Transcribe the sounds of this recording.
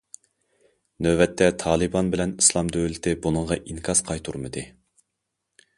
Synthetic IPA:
nøvɛt̪ːɛt̪ʰɑːlˠɨbɑnbɪlɛnislˠɑmd̪øwlɪt̪ʰɪbunəɴʁɑʔiŋkʰɑz̥qʰɑjt̪ʰuɾmɨd̪ɨ

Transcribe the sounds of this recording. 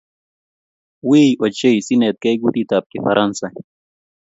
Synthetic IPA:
wiot͡ɕeisinet̪̚kɐjɡut̪it̪aːp̚kefɐɾʔɐnsɐ

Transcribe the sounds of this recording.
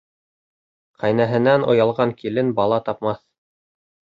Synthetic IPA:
qʰæjnæɦɘ̆nænŏjɑlˠʁɑŋkilɘnbɑlˠɑt̪ɑp̚mɑθ

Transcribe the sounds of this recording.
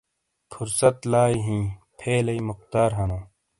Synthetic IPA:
fʰuɾsɐt̪laːiɦĩːpʰeːlɐimʊq̚t̪aːɾɦɐnõː

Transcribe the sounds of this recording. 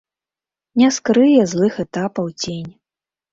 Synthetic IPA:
nʲɛskɾɨjɛzlˠɨxɛt̪apɐwt͡sʲenʲ

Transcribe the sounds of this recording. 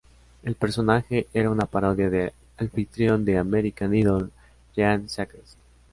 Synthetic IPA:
e̞lpe̞ɾso̞naxe̞ʔeɾaunapaɾo̞ðjaðe | alfit̪ɾjo̞nd̪e̞ameɾikaniðol | ʝansakes

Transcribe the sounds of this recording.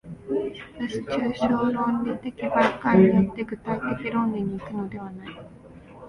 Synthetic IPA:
saɕi̥t͡ɕɨːɕoːɾõnːet̪ːekʲibaikaɲijot̪ːe̞ɡɯ̟t̪ait̪ekʲiɾõ̞nd̪eɲ̟iːkɯ̟no̞d̪e̞β̞anai

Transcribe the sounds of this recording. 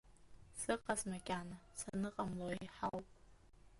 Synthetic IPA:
sɨqʼazmakʲʼaːnasanɨqʼamloeħawpʼ

